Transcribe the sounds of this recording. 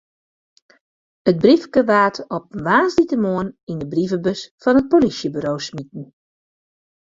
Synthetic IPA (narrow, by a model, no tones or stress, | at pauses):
ət̚brifkəʋaːtʰɔp̚nʋaːzditəmoənindəbrivəbøsfɔnət̚polisjəbyɾoːwsmit̚n̩